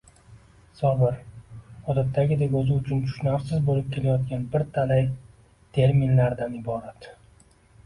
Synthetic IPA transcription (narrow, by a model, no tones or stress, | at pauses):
sɒbɪɾɒd̪at̪ʰːaɡʲɪd̪ekʲɵzɪʊt͡ʃʰʊnt̪ʰʊ̥ʃnafsɪzbolɪp̚kʲʰe̞lajɒt̪ɡʲanbɪɾt̪ʰalaj | t̪ʰe̞ɾminlaɾd̪anɪbɒɾat̪